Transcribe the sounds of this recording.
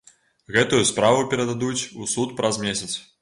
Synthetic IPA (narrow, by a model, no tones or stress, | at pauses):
ɣɛt̪ujuspɾavupʲɛɾɐd̪ad̪ut͡sʲusut̪pɾɐzmʲesʲɐt̪s